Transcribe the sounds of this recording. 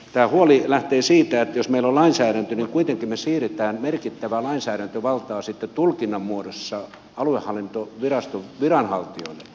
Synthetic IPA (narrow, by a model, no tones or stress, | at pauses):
t̪æːhuolilæht̪eːsiːt̪æet̪josmeilːollɑinsæːɾænt̪øniŋkuit̪eŋkimmesiːret̪æːnmerkit̪ːæʋælɑinsæːɾænt̪øʋɑlt̪ɑːsit̪ːet̪ulkinːɑmmuodosːɑ | ɑluehhɑlːint̪oʋirɑst̪oʋirɑnhɑlt̪io̰ilːe